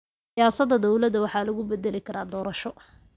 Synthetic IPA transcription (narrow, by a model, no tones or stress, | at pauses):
sijaːsɐd̪ɐd̪ɔwlɐd̪ɐwɑħɑːlɐɣʊbɛd̪ɛlɪkʰɐɾaːd̪ɔːɾɐʃɔ